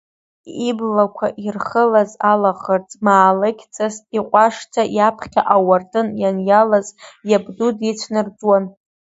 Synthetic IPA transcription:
iblakʷʰaʔirχəlazalaχərt͡sʼmaːlɨkʲʰt͡sʼastiqʷʼaʂtʰajapʰχʲaʔawartʼɨnjanjalazjabdudit͡ʃʷʰnɨrd͡zʼwan

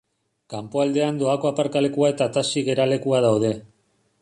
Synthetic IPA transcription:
kampoald̪e̞and̪o̞ako̞apaɾkale̞kuae̞t̪at̪asiɣe̞ɾale̞kuaðawðe̞

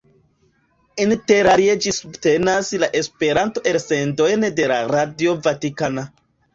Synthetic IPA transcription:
inte̞ɾaɾied͡ʒisubte̞naslaʔe̞speɾanto̞ʔe̞ɾse̞ndo̞jnde̞laɾadio̞vatikana

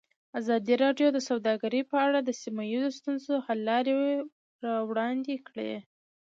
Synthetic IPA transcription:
azɑd̪iɾɑɖjod̪əsawd̪ɑɡaɾəpəaɽad̪əsimajizost̪unzohalːɑɾe | ɾɑwɽɑnd̪ekɽḛ

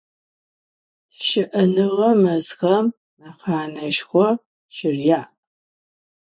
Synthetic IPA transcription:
ʃɪʔɐnɨʁɐmɐzxɐmː | aqʰaːnɐʃxʷɔ | ʃɪrja

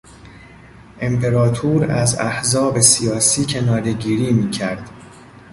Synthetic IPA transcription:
ʔe̞mpʰe̞ɾɒːt̪ʰuːɾæzæhzɒːbe̞sijɒːsiːcʰe̞nɒːɾe̞ɟiːɾiːmiːcʰæɾd̪̥

